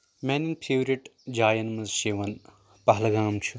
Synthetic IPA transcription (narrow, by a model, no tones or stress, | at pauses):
meːniŋɡ̚pʰeːʋɾiʈd͡ʒaːjɐnmɐzʃeʋɐn | pɐɦɐlɐɡaːmt͡ʃʰu